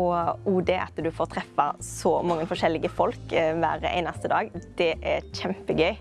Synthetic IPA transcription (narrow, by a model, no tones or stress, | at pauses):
ɔuːd̪ɛʔɑ̰t̪d̪ʉfoːɾt̪ʰʁɛfɑsɔmɑŋːənfɔʃɛlːɪɡəfɔlkʋæ̰ːɾəæ̰ɪnɑst̪əd̪ɑːɡd̪̥ɛʔæɾçɛmpəɡœʏ